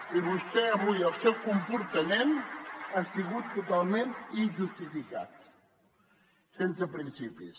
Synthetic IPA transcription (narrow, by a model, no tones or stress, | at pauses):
iβust̪ɛəβujəlˠsɛwkumpuɾt̪əmenasiɣut̪ːut̪alˠmeninʒust̪ifika̰t̪̚ | sens̬əpɾinsipḭs